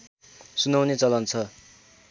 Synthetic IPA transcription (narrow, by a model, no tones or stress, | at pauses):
sunawnet͡sʌlʌnt͡sʰʌ